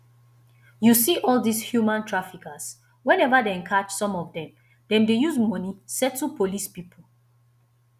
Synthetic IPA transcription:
jusiʔɔlˠdishjumãntʰɹafikas | wɛ̃nɛvadeɛ̃nkʰat͡ʃsɔ̃mɔvdɛ̃m | dɛ̃mdejuzmɔ̃nisɛtʰːupʰolispipʰol̩

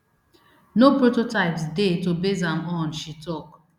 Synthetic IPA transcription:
nopɾototaɪpsdetobezãmɔnʃitɔk

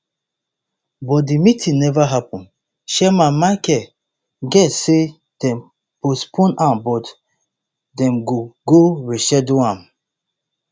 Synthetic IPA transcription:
bɔt̚dimitʰĩnɛvaɦapɔ̃n | ʃɛmãmakɛ | ɡɛtse | d̥ɛ̃m | pospʰõnãmbɔt | dɛ̃mɡoɡoɹiʃɛduãm

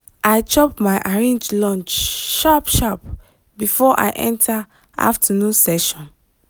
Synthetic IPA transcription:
ʔaɪt͡ʃɔpmaɪʔaɹẽnd͡ʒlɔ̃nt͡ʃʃapʃap | bifɔʔa̰ɪʔɛ̰̃ntʰa | a̰ftʰənũnsɛʃɔ̃n

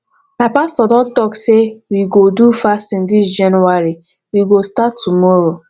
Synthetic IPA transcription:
maɪpastɔdɔdɔɡsewiɡodufastĩndis̬d͡ʒanuaɾi | wiɡostatːumɔɾo

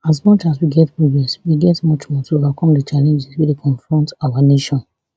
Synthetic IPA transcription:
as̬mɔt͡ʃaswiɡɛtpɹiviɔswiɡɛtmɔt͡ʃmɔtʰoovakʰɔ̃mdət͡ʃalɛ̃nd͡ʒɛswɛdekʰɔ̃nfɹɔ̃ntaaneʃɔ̃n

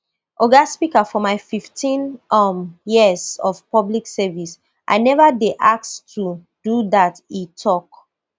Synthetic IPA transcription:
ʔoɡaspikafɔmaɪfiftʰĩnmjizɔv̥pɔbliksɛvis | ʔa̰ɪnɛvadeʔak̚stʰu | d̥uðatitʰɔk

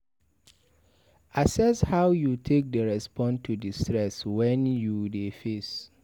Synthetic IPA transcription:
asɛshaʊjutʰek̚dəɹɛspɔ̃ntʰːudistɹɛswɛ̃njudefes

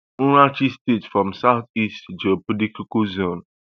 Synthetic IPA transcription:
ɾat͡ʃistetfɹɔ̃msaʊtistd͡ʒɛopodikukozõn

